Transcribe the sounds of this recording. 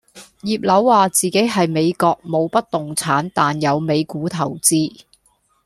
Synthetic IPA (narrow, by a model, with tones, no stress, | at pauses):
jiː˨p̚lɐ˨˥wːaː˨t͡siː˨ke˨˥jɦɐ˨jme˨˧jkɔː˧k̚mo˨˧wpɐ˥t̚t̪ʊ˨ŋt͡sʰaː˨˥nt̪aː˨njɐ˨˧wme˨˧jkuː˨˥t̪ʰɐ˨˩wt͡siː˥